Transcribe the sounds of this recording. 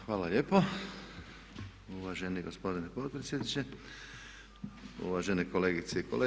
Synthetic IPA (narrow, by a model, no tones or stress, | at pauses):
xʋaːlalʲeːpo | uʋaʒeniɡospo̞d̪inepot̪̚pɾesjed̪nit͡ɕe | ṵʋaʒeneko̞leːɡit̪seikole